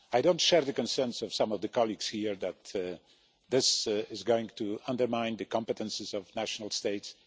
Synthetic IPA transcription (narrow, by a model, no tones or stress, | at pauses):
ajdõʊ̃ntʃɛɹðəkɔ̃nsɛɹntsɔv̥sãmɔvd̪əkɑliɡshiɹdæt̪ | ðɪsɪzɡoɪ̃ŋtuãndəɹmãɪ̃nd̪ɨkɑ̃mpɛt̪ɛ̃nsɪzɔvnæʃɔnalˠsteɪts